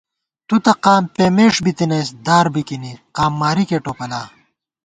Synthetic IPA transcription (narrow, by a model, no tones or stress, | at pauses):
t̪ut̪ɐqaːmpeːmeːʂbit̪inɐsd̪aːɾbikiniqaːmːaːɾikeʈoːpɐlaː